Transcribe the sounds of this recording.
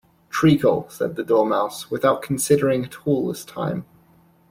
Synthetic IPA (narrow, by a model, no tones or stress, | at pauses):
tʰɹ̥iˑkʰəl̩ˠsɛ̰d̪̚ðədɔːmaʊswɪðaʊʔ̚kʰn̩sɪɾəɹɪ̃ŋətʰɔːlˠðɪstʰã̰ɪ̃m